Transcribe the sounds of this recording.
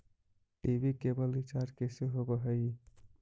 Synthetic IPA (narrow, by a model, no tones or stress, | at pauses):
ibʱikebəlʋit͡ʃaɾkeseɦobəɦəj